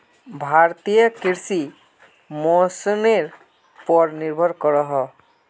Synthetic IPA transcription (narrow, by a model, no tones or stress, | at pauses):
bʱaɾt̪ijəkiɾsi | mosɔneɾ | pɔɾniɾbʱɔɾkɔɾɔɦɔ